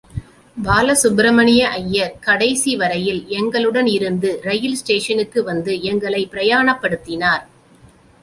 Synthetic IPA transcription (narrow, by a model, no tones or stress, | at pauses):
baːlɐsʊbɾɐmɐnɪjɐʔɐjːɐɾkɐɽɐɪsiʋɐɾɐjɪlɛŋɡɐɭɯɽɐnɪɾɯnd̪ɯɾɐjɪlsʈeːʂɐnɯkːɯʋɐnd̪ɯɛŋɡɐɭɐɪpːɪɾɐjaːɳɐpːɐɽɯt̪ːɪnaːɾ